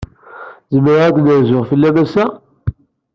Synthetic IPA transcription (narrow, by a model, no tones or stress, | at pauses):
zəmːəɾʁæd̪nəɾzʊʁfəlːæmæsæ